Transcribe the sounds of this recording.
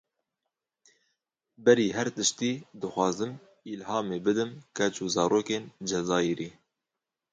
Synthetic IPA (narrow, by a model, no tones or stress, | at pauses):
bɛɾiːɦɛɾt̪ɨʃt̪iːd̪ɨxʷɑːzɨm | ilɦɑːmeːbɨd̪ɨmkɛt͡ʃuzɑːɾoːkeːnd͡ʒɛzɑːiɾiː